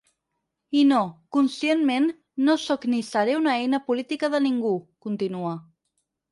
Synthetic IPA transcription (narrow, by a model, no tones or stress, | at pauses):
inokunsienmenː | osoknisaɾeunaejnəpulit̪ikəðəniŋɡukunt̪inuə